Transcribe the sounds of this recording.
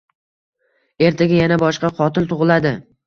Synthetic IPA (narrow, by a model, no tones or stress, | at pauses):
e̞ɾt̪ʰaɡʲajanabɒʃqɑqʰɒt̪ʰɪlt̪ʰʊʁɨlad̪ɪ